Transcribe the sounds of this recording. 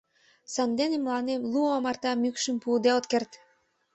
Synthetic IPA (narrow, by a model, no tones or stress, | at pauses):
sɑnd̪enemlɑnemluɑmɑrt̪ɑmykʃəmpud̪eot̪kert̪